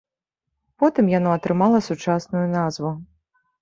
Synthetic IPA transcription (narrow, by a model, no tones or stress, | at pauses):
pɔt̪ɨmjanɔɐt̪ɾɨmalˠɐsut͡ʂasnujunazvu